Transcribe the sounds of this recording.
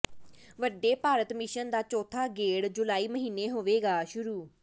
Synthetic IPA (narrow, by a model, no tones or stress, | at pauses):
ʋəɖːeːpaːɾət̪mɪʃənd̪aːt͡ʃɔːt̪ʰaːɡeːɽd͡ʒʊlaːiːməɦiːnːeːɦoːʋeːɡaːʃʊɾuː